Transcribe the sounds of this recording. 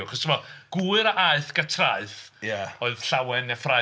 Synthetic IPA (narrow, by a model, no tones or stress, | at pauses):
χɔsʰəmɔɡ̥uɨɾaʔaɨθɡ̥atʰraɨθjaɔɨð̥ɬawɛnjafra